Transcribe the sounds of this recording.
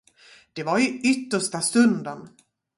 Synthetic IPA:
d̪̥ɛvaɾʏʏt̪ːəʂʈast̪ɵnd̪ən

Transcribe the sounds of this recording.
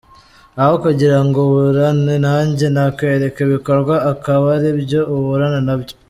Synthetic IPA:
ahokaɟiɾaŋɡoβuɾanenaːɲɟenakwe̞ɾe̞keβikoɾɡwaːkaβaɾiβjoːβuɾanenaβjo

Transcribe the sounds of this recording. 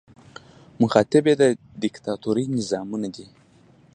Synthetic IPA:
mʊxɑt̪ɪbed̪ə | d̪ɪkt̪ɑt̪oɾijnɪzɑmunad̪i

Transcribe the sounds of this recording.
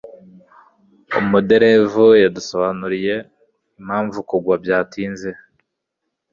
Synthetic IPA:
ṵmmude̞ɾe̞vujadusoβanuɾije̞ | im̥haːɱvukuɡwabjaːtiːnze

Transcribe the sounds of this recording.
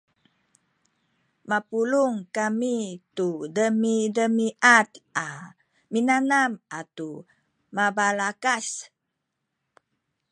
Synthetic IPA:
mapuluŋkamitudəmidəmiʔat̪ʔa | minanamat̪u | mabalakas

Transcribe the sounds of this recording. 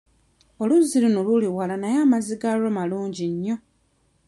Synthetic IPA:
oluzilinoluliwalanajaːmaziɡaɾomaluːɲɟiɲːo̞

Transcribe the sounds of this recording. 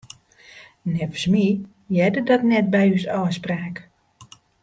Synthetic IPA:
nɛvəsmi | jɛdədɔtnɛt̚bɛjysɔːspraːk

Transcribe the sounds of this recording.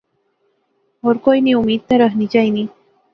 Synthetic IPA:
oɾqojniʊmɪd̪̚t̪aɾɑχnɪt͡ʃajni

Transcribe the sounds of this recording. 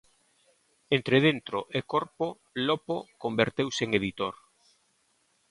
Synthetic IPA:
ent̪ɾeð̞ent̪ɾoʔekoɾpo | lopokombeɾt̪ewseŋeðit̪oɾ

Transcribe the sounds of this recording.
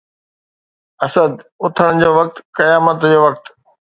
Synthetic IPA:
ɐsəd̪ʊt̪ʰəɽ̃ʊd͡ʑoːʋɐk̚t̪kɐjaːmət̪d͡ʑoːʋɐk̚t̪

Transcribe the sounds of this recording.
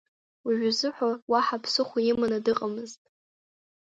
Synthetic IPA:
wiʒᶣʊzɨħʷawaħapʰsɨχʷajɪmanadɨqʼamɨztʼ

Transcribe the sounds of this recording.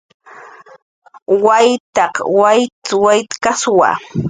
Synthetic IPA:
wajt̪ɑqwajtwajt̪kaswa̰

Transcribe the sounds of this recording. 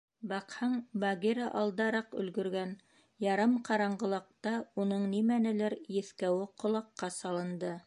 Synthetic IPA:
bɑqhɑɴbɑɡiɾɑʔɑlˠd̪ɑɾɑqɵ̰̆lɡɵ̆ɾɡæn | jɑɾɑmqʰɑɾɑɴɢɤ̆lˠɑq̚t̪ɑunɤɴnimænɘ̆lɘɾjɘ̆θkæwɘqʰŏlˠɑqːɑsɑlˠɤ̆nd̪ɤ

